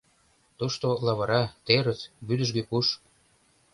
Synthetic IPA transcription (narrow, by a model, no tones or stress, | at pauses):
t̪uʃt̪olɑβɤ̆ɾɑt̪eɾə̆t̪byd̪ə̆ʒɡøkuʃ